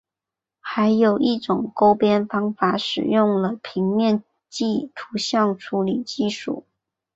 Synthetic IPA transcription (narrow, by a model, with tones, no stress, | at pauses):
xa˧˥ɪjo˨˩ʊʔi˥˩ʈ͡ʂʊ˨˩ŋko˥ʊpjɛ˥nfɑ˥ŋfa˧˥ʂɻ̩̰˨˩jʊ˥˩ŋlə˨˩pʰi˧˥ŋmjɛ˥˧n | t͡ɕi˥˩t̪ʰu˧˥ɕjɑ˥˩ŋʈ͡ʂʰu˧˥li˨˩t͡ɕi˥˧ʂṵ˥˩˦